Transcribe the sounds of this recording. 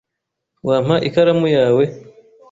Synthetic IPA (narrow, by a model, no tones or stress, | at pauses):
waːm̥haʔikaɾamujaːwe̞